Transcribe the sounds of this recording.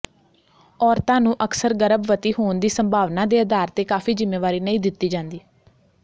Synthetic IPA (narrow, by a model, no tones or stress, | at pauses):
ɔːɾt̪ãːnũːʔəksəɾɡəɾəbʋət̪iːɦoːnd̪iːsəmbʱaːʋnãːd̪eːəd̪aːɾt̪eːkaːfʰiːzɪmːeːʋaːɾiːnəĩːd̪ɪt̪ːiːd͡ʒãːnd̪iː